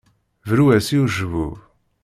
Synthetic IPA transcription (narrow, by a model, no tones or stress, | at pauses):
vɾuæsiuʒvuv